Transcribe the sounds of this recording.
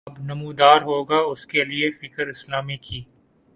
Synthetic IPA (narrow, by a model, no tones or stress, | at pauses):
ɐbnɐmũːd̪aːɾɦoːɡaʊskeliefɪkəɾɪslaːmikʰiː